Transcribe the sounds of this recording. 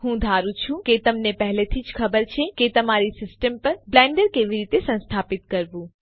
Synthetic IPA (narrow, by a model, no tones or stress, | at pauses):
ɦũd̪ʱaɾũt͡ʃʰũket̪əmnepəɦlet̪ʰid͡ʒkʰəbəɾt͡ʃʰeket̪əmaɾisɪsʈəmpəɾblɛ̃ɳɖəɾkeʋiɾit̪esə̃nst̪ʰapit̪̚kəɾʋũ